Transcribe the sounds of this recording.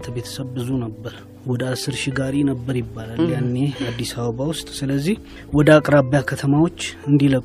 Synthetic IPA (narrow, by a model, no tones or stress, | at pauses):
t̪ʰəbe̞t̪ʰə̥səβbɨzunəbːəɾ | wɔd̪əasːɨɾʃiɡaɾinəbːəɾjɪbːalaljanːe̞ad̪ːisaβəβawʊst̪ʼsɨləzːih | wɔd̪əakʼɾaβjakʰət̪ʰəmawo̞t͡ʃːɨnd̪iləkʼ